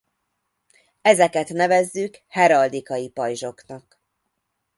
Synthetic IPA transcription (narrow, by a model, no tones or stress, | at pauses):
ɛzɛkɛt̪nɛvɛzːykhɛɾɒld̪ikɒjipɒjʒo̞knɒk